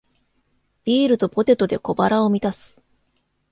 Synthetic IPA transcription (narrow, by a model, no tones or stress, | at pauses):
b̥ʲiːɾɯ̟t̪o̞po̞t̪e̞t̪o̞d̪e̞ko̞baɾao̞mʲit̪asɨ̥